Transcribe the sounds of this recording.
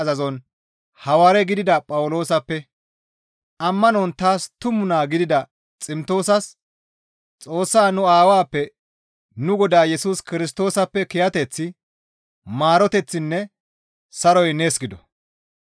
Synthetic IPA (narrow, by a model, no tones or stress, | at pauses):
ɐzɐzɔn | hɐwaːɾɛɡɪd̪ɪd̪ɐpʼɐwʊlo̞ːsɐpːɛ | ʔɐmːɐnɔnt̪aːst̪ʊmːʊnaːɡɪd̪ɪd̪ɐ | t͡sʼɪmt̪o̞ːsɐs | t͡sʼo̞ːsːaːnʊaːwaːpːɛ | nʊɡɔd̪aːjɛsuːskɪɾɪst̪o̞ːsɐpːɛkɪjɐt̪ɛt͡sːɪ | maːɾɔt̪ɛt͡sːɪnːɛ | sɐɾɔjneːsɡɪd̪ɔ